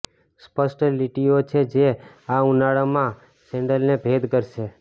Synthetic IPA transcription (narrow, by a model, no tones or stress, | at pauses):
spəsʈliʈiot͡ʃʰed͡ʒe | aunaɭamã | sɛ̃ɳɖəlnebʱed̪kəɾʃe